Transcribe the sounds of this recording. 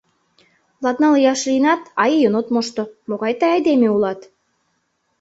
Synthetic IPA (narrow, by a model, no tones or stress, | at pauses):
lˠɑt̪nɑljɑʃlinɑt̪ɑjjɤnot̪moʃt̪omoɣɑjt̪ɑjɑjd̪emeulɑt̪